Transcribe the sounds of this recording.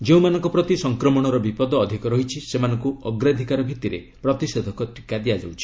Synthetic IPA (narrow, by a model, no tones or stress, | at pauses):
d͡ʒeũmanɔ̃ŋkɔpɾɔt̪isɔŋkɾɔmɔɽ̃ɔɾɔbipɔd̪ɔːd̪ʱikɔɾɔɦit͡ʃʰisemanɔŋkuɔɡɾad̪ʱikaɾɔbʱit̪iɾḛ | pɾɔt̪ised̪ʱɔkɔtɾikad̪ijad͡ʒa̰wt͡ʃʰi̥